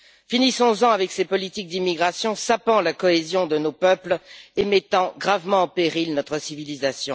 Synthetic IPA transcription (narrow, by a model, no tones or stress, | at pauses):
finisɔ̃zɑ̃avɛksepɔlit̪ik̚d̪imiɡʁasjɔ̃sapɑ̃lakɔezjɔ̃d̪ənopœplemɛt̪ɑ̃ɡʁavmɑ̃ːpeʁilnɔt̪χəsivilizasjɔ̃